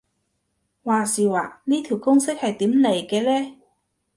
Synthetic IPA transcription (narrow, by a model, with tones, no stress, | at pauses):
waː˨siː˨˩waː˨˩niː˥t̪ʰi˨˩wkʊ˥ŋsɪ˥k̚hɐ˨jt̪iː˨˥mle˨˩jkɛː˧lɛː˥